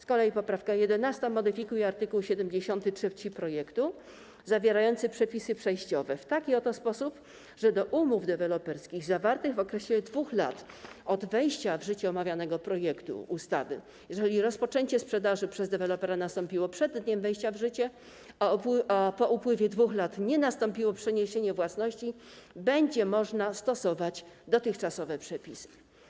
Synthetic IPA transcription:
skɔlɛjipɔpɾafkajɛd̪ɛnast̪amɔd̪ɘfʲikujɛaɾt̪ɘkuwɕɛd̪ɛmd͡ʑeɕɔnt̪ɘtʂɛft͡ɕipɾɔjɛkt̪u | zavʲjɛɾajɔnt̪sɘpʂɛpʲisɘpʂɛjɕt͡ɕɔvɛft̪akʲiɔt̪ɔspɔsup | ʐɛd̪ɔʔumuvd̪ɛvɛlɔpɛɾskʲiɣzavaɾt̪ɘɣɔkɾɛɕlʲɛd̪vuxla̰t̪ɔd̪vɛjɕt͡ɕavʐɘt͡ɕɛɔmavʲjanɛɡɔpɾɔjɛkt̪ṵust̪a̰vɘ̰ | jɛʐɛlʲiɾɔspɔt͡ʂɛɲt͡ɕɛspʂɛd̪aʐɘpʂɛzd̪ɛvɛlɔpɛɾanast̪ɔmpʲiwɔpʂɛd̪ːɲɛmvɛjɕt͡ɕavʐɘt͡ɕɛ | apɔʔupwɘvʲjɛd̪vuxlat̪ɲɛnast̪ɔmpʲiwɔpʂɛɲeɕeɲɛvwasnɔɕt͡ɕi | bɛɲd͡ʑɛmɔʐnast̪ɔsɔvat͡ɕd̪ɔt̪ɘxt͡ʂasɔvɛpʂɛpʲisɘ̥

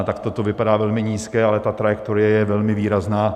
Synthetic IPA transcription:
t̪akt̪ot̪ovɪpadaːvɛlmɪɲiːskɛːʔalɛt̪at̪ɾajɛkt̪oɾɪjɛjɛvɛlmɪviːɾaznaː

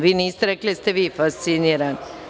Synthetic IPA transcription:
ʋiːnist̪ɾɛkləst̪əʋiːfast̪siniɾan

